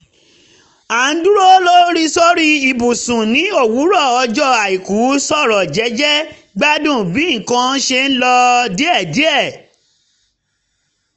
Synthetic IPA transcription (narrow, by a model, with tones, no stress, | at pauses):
a˨˦n̩˦du˦ɾo˦lo˦ɾi˦sɔ˦ɾi˦i˧˨bu˨sũ˨nĩ˨˦o˦˨wu˨˦ɾɔ˦˨ɔ˧d͡ʒɔ˦˨a˨i˨ku˨˦sɔ˦˨ɾɔ˨d͡ʒɛ˨˦d͡ʒɛ˦ | ɡ͡ba˦dũ˦˨bĩ˨˦˨kã˧˦ʃe˧n̩˦lɔ˧di˦ɛ˦˨di˨˦ɛ˦˨